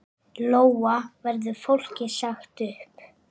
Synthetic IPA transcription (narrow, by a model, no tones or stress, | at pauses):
loːwavɛɾðʏfowl̥cɪsaxt̪ʏhp